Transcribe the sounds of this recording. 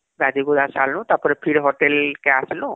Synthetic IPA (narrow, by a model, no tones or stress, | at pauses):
ɡad̪ʱiɡud̪asalnɔ̃t̪apɔɾɛpʰiɽɦɔʈelkɛaslɔ